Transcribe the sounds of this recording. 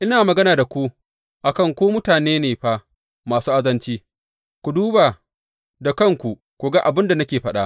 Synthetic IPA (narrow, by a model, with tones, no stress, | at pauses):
ʔɪ˦naː˨mɐ˨ɡɐ˦naː˨da˨kʷu˦ | ʔa˨kɐ˦˨ŋkʷoː˦mʊ˦taː˨neː˦neː˨ɸaː˦ | maː˨suː˦ʔa˦zɐ˦nt͡ʃiː˦ | kʷu˨duː˦baː˨ | da˨kɐ˦˨ŋkʷu˨ | kʷu˨ɡa˦ʔa˨bɪ˦nda˨nɐ˦kʲeː˨ɸɐ˦ɗa˦ʔ